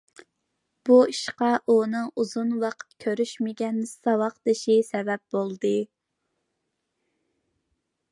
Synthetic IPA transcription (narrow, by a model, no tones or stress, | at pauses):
b̥uiʃqɑʔunɨŋuzunwɑqʰə̥t̪kʲʰøɾyʃmɪɡʲɛnssɑwɑqd̪ɨʃisɛvɛp̚bolˠd̪ɨ